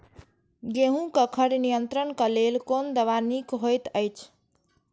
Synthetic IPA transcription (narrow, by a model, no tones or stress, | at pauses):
ɡeɦũkəkʰəɾnijənt̪ɾənkəlelkond̪əβanikɦojt̪əjt͡ʃʰ